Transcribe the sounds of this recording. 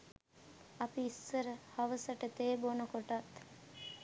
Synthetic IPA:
ɐpiisːəɾəhɐʋəsəʈət̪eːbonɐkoʈɐt̪

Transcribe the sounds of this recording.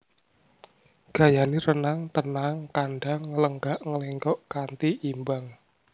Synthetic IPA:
ɡ̥a̤janiɾənaŋt̪ənaŋkanɖaŋːələŋɡaʔŋəleŋkɔʔkant̪iʔimbaŋ

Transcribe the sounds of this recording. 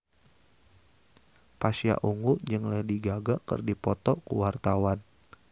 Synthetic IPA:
pasja̰ʔuŋuʔd͡ʒɨŋlɛhdiɡaɡakə̰rdipɔt̪ɔkṵwart̪awan

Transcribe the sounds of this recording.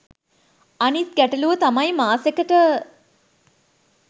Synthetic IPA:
anit̪̚ɡæʈəluʋət̪amajmaːsekəʈə

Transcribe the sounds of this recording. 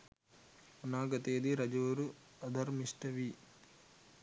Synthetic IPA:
ɐnaːɡɐt̪eːd̪iɾɐd͡ʒɐʋɐɾu | ɐd̪ʱɐɾmiʂʈɐʋi

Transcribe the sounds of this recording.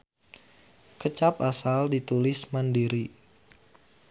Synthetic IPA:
kət͡ʃapasaldit̪ulɪsmandiɾi

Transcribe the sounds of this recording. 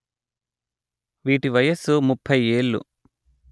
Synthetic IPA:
ʋiːʈiʋɐjɐsumupʰːɐjeːɭːṵ

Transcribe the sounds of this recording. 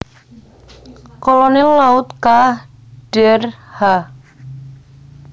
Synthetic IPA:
kɔlɔnɛlaʊt̪ka | ɖ̥ɛrha

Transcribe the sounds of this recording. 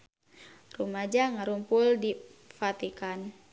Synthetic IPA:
rumad͡ʒaŋaɾumpuldifat̪ikan

